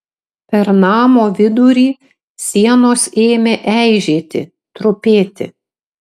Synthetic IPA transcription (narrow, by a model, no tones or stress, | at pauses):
pʲɛɾnɑːmoːʋʲɪd̪uɾʲiː | sʲiɛnoːseːmʲeʔæɪʒʲeːt̪ʲɪ̰ | t̪ɾʊpʲeːt̪ʲɪ̰